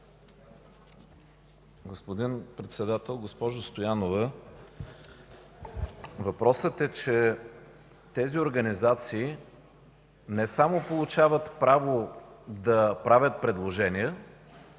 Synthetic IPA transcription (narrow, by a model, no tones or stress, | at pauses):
ɡospod̪inpɾɛt̪sɛd̪at̪ɛlˠɡospɔʒost̪ojanovə | vɐpɾɔsət̪ɛt͡ʃɛ | t̪ɛzioɾɡənizat̪siː | nɛsamopolˠʊt͡ʃavət̪pɾavod̪ɐpɾavʲət̪̚pɾɛd̪lˠoʒɛniɛ